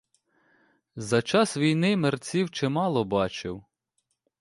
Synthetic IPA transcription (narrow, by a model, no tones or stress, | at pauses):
zɐt͡ʃɑsʋʲijnɪmert͡sʲiwt͡ʃɛmɑlˠɔbɑt͡ʃɪw